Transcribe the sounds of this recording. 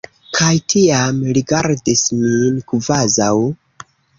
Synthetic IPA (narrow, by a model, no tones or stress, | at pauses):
kʰajtʰiamɾiɡaɾdisminkvazaw